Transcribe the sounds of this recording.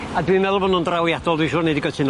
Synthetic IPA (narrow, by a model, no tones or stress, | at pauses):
adwimɛðlˠɔvɔnũndrawjadɔlˠdwiʃʊːnediɡɔtʰɨn